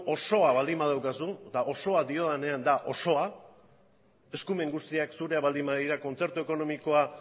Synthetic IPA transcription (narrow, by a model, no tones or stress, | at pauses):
o̞so̞aβald̪imbað̞awkasud̪aʔo̞so̞ad̪io̞ðane̞and̪aʔo̞so̞a | e̞skume̞ŋɡust̪iaksuɾe̞aβald̪imbaðiɾako̞nt͡se̞ɾt̪ue̞ko̞no̞miko̞a